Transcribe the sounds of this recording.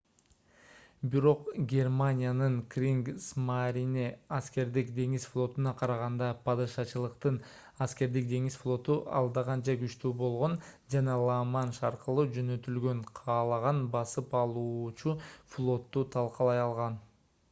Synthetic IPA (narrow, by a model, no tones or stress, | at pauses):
biɾo̞qɡʲe̞rmanʲijanɯɴkrʲiŋɡsmaɾʲineaske̞ɾd̪ikd̪e̞ŋizflˠo̞t̪unɑqʰɑɾɑʁɑnd̪ɑpʰɑd̪ɯʃɑt͡ʃɯlˠɯqt̪ɯn | aske̞ɾd̪ik̚d̪e̞ŋisflˠo̞t̪uʔɑ̰lˠd̪ɑʁɑnd͡ʒɑɡyt͡ʃt̪yːbo̞lˠʁo̞nd͡ʒɑnɑlˠɑmɑnʃɑɾqɯlˠud͡ʒø̞nø̞t̪ylɡø̞ɴqʰɑːlˠɑʁɑnbɑsɯpɑlˠuːt͡ʃuflˠo̞t̪ːut̪ʰɑlˠqɑlˠɑjɑlˠʁɑn